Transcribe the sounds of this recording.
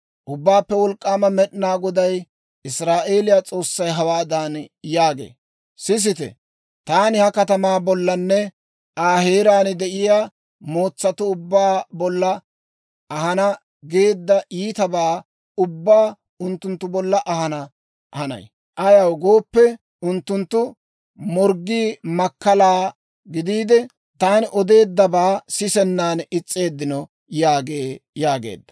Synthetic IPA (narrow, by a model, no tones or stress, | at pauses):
ʔʊbːaːpːɛwɔlkʼːaːmɐmɛɗɪnaːɡɔd̪ɐj | ɪsɾaːʔeːlɪjat͡sʼo̞ːsːɐjɦɐwaːd̪aːnjaːɡḛː | sɪs̬ɪt̪ɛ̰ | t̪aːnɪhɐkɐt̪ɐmaːbɔlːɐnːɛ | ʔaːheːɾaːnd̪ɛʔɪjaː | mo̞ːt͡sːɐt̪ʊʊbːaːbɔlːɐ | ʔːɦɐnɐ | ɡeːd̪ːɐʔiːt̪ɐbaː | ʊbːaː | ʊnt̪ːʊnt̪ːʊbɔlːɐʔɐhɐnɐ | hɐnɐ̰j | ʔɐjɐwɡo̞ːpːɛ | ʊnt̪ːʊnt̪ːʊ | mɔɾɡiːmɐkːɐlaː | ɡɪd̪iːd̪ɛ | t̪aːnʔɔd̪e̞ːd̪ːɐbaːsɪsɛnːaːnɪt͡sʼːe̞ːd̪ːɪnɔ | jaːɡeːjaːɡḛːd̪ːɐ̥